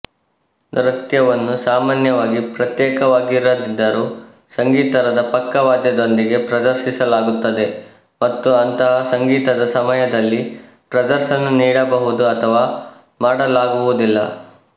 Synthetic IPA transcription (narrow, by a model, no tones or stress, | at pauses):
d̪ɾɐt̪jɐʋɐnːusaːmaːnjɐʋaːɡipɾɐt̪jɛːkɐʋaːɡiɾːɐd̪id̪ːɐɾuː | sɐŋɡiːt̪ɐɾɐd̪ɐpɐkːɐʋaːd̪jɐd̪o̞nd̪iɡe̞pɾɐd̪ɐɾʃisɐlaːɡut̪ːɐd̪e̞ | mɐt̪ːuɐnt̪ɐɦɐsɐŋɡiːt̪ɐd̪ɐsɐmɐjɐd̪ɐlːi | pɾɐd̪ɐɾʃɐnuniːɽɐbɐɦud̪uɐt̪ʰɐʋaː | maːɽɐlaːɡuʋud̪ilːɐ̰